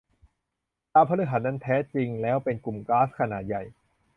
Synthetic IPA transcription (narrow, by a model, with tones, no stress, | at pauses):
t̪aː˧pʰa˧ɾɯ˦˥ɦa˩˥n̚na˦˥nt̪ʰɛː˦˥t͡ɕi˧ŋlɛː˦˥wpe˧nku˨˩mklaː˦˥skʰa˧naː˨˩t̪̚ja˨˩j